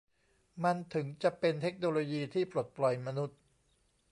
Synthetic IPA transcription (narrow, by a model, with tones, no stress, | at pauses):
ma˧nt̪ʰɯ˩˦ŋt͡ɕa˨˩ʔpe˧nt̪ʰe˦˥k̚noː˧loː˧jiː˧t̪ʰiː˥˩pɾo˨˩t̪̚plɔ˨˩jma˧nu˦˥t̪̚